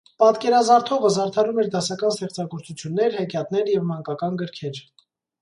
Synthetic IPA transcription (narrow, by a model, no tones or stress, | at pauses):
pɑt̪kɛɾɑzɑɾt̪ʰɔʁəzɑɾt̪ʰɑɾumɛɾd̪ɑsɑkɑnst̪ɛχt͡sɑɡɔɾt͡sut͡sʰjunːɛɾhɛkjɑt̪nɛɾjɛvmɑŋkɑkɑnɡəɾkʰɛɾ